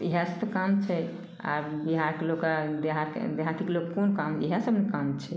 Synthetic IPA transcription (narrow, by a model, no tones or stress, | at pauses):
iɦasəbekamt͡ʃʰɛ | a̰ɾbiɦaɾkelokad̪eɦaɾ̰d̪eɦat̪ʰikelokːkonkamiɦasəbnekamt͡ʃʰɛ